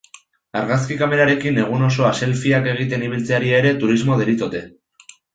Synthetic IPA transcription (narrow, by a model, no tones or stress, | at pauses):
aɾɣaskikame̞ɾaɾe̞kine̞ɣ̞uno̞so̞ase̞lfiake̞ɣ̞it̪e̞niβ̞ilt͡seaɾiaeɾe̞t̪uɾizmo̞ð̞eɾit͡so̞t̪e̞